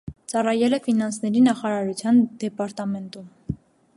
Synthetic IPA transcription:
t͡sɑrɑjɛlɛfinɑnsnɛɾinɑχɑɾɑɾut͡sʰjɑnd̪ɛpɑɾt̪ɑmɛnt̪um

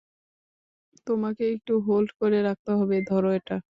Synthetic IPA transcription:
t̪omakeek̚ʈuɦolɖkoɾeɾak̚t̪eɦɔbed̪ʱɔɾoeʈa

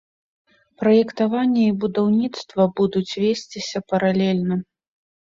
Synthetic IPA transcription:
pɾɐjɛkt̪avanʲːɛibud̪awnʲit̪st̪vɐbud̪ut͡sʲvʲesʲt͡sʲisʲɐpɐɾalʲɛlʲnɐ

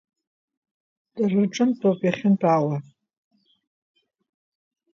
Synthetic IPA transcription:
d̥arɨʈ͡ʂʼɨmtʰʼowpʼjaχʲɪntʷʰʼawa

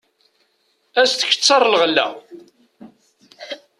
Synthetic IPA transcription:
æst̪ə̥çə̥t͡sːɑrˤːlʁlːæ̰

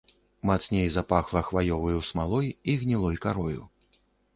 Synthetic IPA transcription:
mat̪snʲejzapaxlˠɐxvajɔvɐjusmalˠɔjiɣnʲilˠɔjkaɾɔjṵ

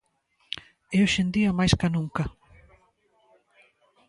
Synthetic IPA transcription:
eoʃend̪iɐmajskɐnũŋkɐ

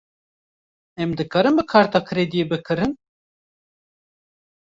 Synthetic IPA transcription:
ɛmd̪ɨkaːɾɨmbɨkʰaːɾt̪ɑːkʰɨɾed̪ijebɨkʰɨɾɨn

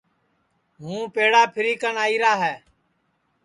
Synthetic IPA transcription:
ɦũːpeːɽaːpʰɪɾiːkənaːiːɾaːɦɛː

